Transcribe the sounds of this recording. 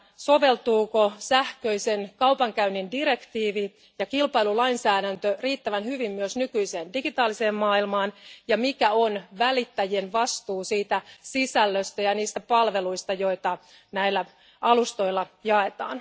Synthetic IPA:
so̞ʋe̞lt̪uːkosæhkøisenkɑupɑŋkæynindiɾe̞kt̪iːʋi | jɑkilpɑilulɑinsæːɾænt̪øriːt̪ːæʋænhyʋimːyøsnykyiseːndiɡ̥it̪ɑːliseːmːɑːilmɑːnjɑmikæonʋælit̪ːæjienʋɑst̪uːsiːt̪æsisælːøst̪æjɑniːst̪æpɑlʋe̞luist̪ɑjo̞it̪ɑ | næilːæ | ɑlust̪o̞ilːɑjɑe̞t̪ɑ̰ːn

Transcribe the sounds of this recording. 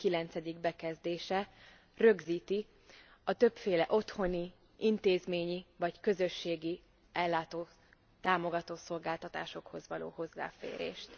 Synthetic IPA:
kilɛnt̪sɛd̪iɡ̚bɛkɛzd̪eːʃɛ | rø̞ɡziːt̪i | ɒt̪ø̞pfeːlɛʔo̞t̪ho̞ni | int̪eːzmeːɲivɒckø̞zøʃːeːɡi | ɛlːaːt̪oː | t̪aːmo̞ɡɒt̪oːso̞lɡaːlt̪ɒt̪a̰ːʃo̞kho̞zʋɒlo̰ːho̞zːa̰ːfḛːɾḛːʃt̪

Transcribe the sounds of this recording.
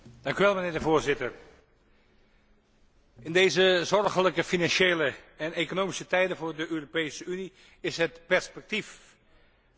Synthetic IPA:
d̥ɑŋkyʋɛlˠmənɪːɹdəvʊːɹzɪtəɹ | ɪndejzəzɔrχələkəfinɑnʃejləɛnekonowmisətɛjdənvʊːɹdəʔøːropejsəyni | ɪsɦətpɛɹspɛk̚tif

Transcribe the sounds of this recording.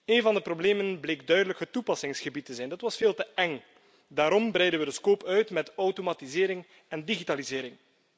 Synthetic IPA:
eːnvɑndəprobleːmənbleːk̚dœɥdələkətupɑsɪŋsxəbitːəzɛjndɑtʋɑsfeːlˠtəʔɛŋ | daːɾɔmbɾɛjdənʋədəskoːpœɥtmɛtɔwtomaːtizɪːɾɪŋ | ɛndiɣitaːlizɪːɾɪŋ

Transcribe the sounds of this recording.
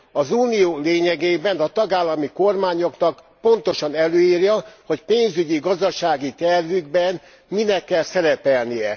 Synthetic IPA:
ɒzuːnijoːleːɲɛɡeːbɛnɒt̪ɒɡaːlːɒmiko̞rmaːɲo̞knɒk | po̞nt̪o̞ʃɒnɛløːiːrjɒho̞cpeːnzyɟiɡɒzd̪ɒʃaːɡit̪ɛrvyɡbɛn | minɛkːɛlsɛɾɛpɛlnijɛ

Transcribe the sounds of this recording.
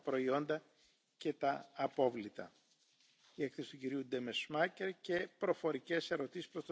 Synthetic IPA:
pɾo̞io̞nd̪ɐ | ce̞t̪ɐːpo̞vlit̪ɐ̰ | ie̞kθe̞si̥t̪uciɾiud̪emesmɐce̞ɾce̞pɾo̞fo̞ɾice̞se̞ɾo̞t̪isi̥spɾot̪o

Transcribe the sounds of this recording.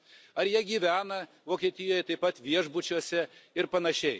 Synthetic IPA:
ɐɾjiɛɡʲiːʋʲæːnɐ | ʋoːkʲiɛt̪ʲɪjoːjɛt̪ɐɪpɐt̪ʋʲiɛʒbʊt͡ʃʲuɔsʲɛɪɾpɐnɐʃʲɛɪ

